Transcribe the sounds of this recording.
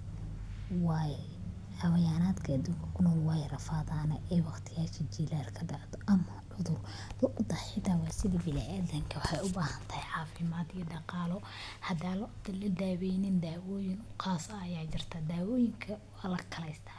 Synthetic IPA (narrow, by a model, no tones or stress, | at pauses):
wɑːjɛ | ʕɑwɐjaːnaːd̪kʰɐːd̪uːŋkʰɐkʰʊnɔːlwɑːjɛrɐfaːðaːnɐʔɛwɑqt̪ʰɪjaːʃɐt͡ʃiːlaːlkʰɐɖaʕd̪ɔʔɐmɐʕʊðʊr | lʊʔd̪ɐħɪt̪ʰaːwɑːsɪðibɪlɛ̰ʔɛðɐŋkʰɐwɑħɑjʊbaːhɐnt̪ʰɐjħɑːfɪmaːd̪ijɔɖɑqɑːlɔ | hɐd̪aːllɐd̪aːwɛjnɪnd̪aːwɔːjɪŋʊqʰaːsɐːjaːt͡ʃɪrt̪ʰɐd̪aːwɔːjɪŋkʰɐ | alɐkʰɐlɛjst̪ʰɐ̥